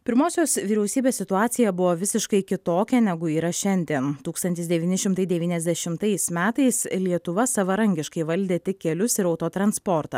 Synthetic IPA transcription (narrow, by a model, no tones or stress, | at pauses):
pʲɪɾmoːsʲoːsʋʲiːɾʲɛʊsʲiːbʲeːssʲɪt̪ʊɑːt̪sʲɪjɛbʊʋoːʋʲɪsʲɪʃkɐɪkʲɪt̪oːkʲɛnʲɛɡʊiːɾɐʃʲɛnʲd̪ʲiɛnt̪uːkst̪ɐnʲt̪ʲɪsd̪ʲɛʋʲiːnʲɪʃʲɪmt̪ɐɪd̪ʲɛʋʲiːnʲɛzʲd̪ʲɛʃʲɪmt̪ɐɪsmʲæːt̪ɐɪslʲiɛt̪ʊʋɐsɐʋɐɾɐŋʲɡʲɪʃkɐɪʋɐlʲd̪ʲeːt̪ʲɪkkʲkʲɛlʲʊsɪɾɐʊt̪oːt̪ɾɐnspɔɾt̪ɐ